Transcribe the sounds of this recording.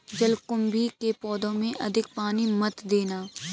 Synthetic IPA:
d͡ʒɐlkʊmbʱikepɔːd̪õmẽʔɐd̪ʱɪk̚paːnimɐt̪d̪eːnaː

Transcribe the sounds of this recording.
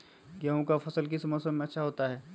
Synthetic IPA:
ɡɐɦõkafʰɐsəlk̬ɪsmɔːsəmmẽɐtːʃʰaɦoːt̪aɦɛː

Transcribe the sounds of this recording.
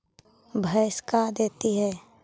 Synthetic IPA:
bʱəjskad̪eːt̪iɦɛː

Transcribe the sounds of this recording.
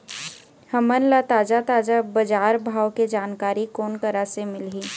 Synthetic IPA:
həmənlat̪aːd͡ʒat̪aːd͡ʒabɐd͡ʒaːɾbʱaːwked͡ʒaːnkaːɾikoːnkəɾasemɪlɦiː

